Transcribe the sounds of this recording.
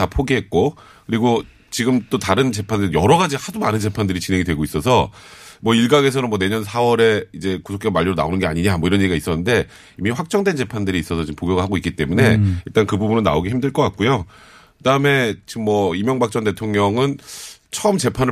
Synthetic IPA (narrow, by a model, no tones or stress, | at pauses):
apʰoɡiɦe̞t̚k͈o | kɯɾiɡo | t͡ɕiɡɯmt͈otaɾɯnt͡ɕe̞pʰandɯɯjʌɾʌɡad͡ʑihadomanɯnd͡ʑe̞pʰandɯɾit͡ɕinɦe̞ŋidwe̞ɡois͈ʌsʰʌmwʌiɭɡaɡe̞sʰʌnɯnmwʌne̞ɲʌnsʰawʌɾe̞id͡ʑe̞kusʰok͈ʰemaʎːiɾona̰onɯnɡe̞aɲiɲamʌiɾʌniiɡais͈ʌnːɯnde̞ | imiɸwak̚t͡ɕ͈ʌŋdwent͡ɕe̞pʰandɯɾiːs͈ʌsʰʌt͡ɕiɯmpoɡjʌɡɯɭɦaɡoik͈it͈e̞mune̞iɭt͈ankɯbubunɯnːa̰oɡiçimdɯɭk͈ʌk͈ak̚k͈ujo | kɯdaɯme̞t͡ɕimːʌimjʌŋbak̚t͡ɕ͈ʌnte̞tʰoŋɲʌŋɯnt͡ɕʰʌɯmt͡ɕe̞pʰanɯ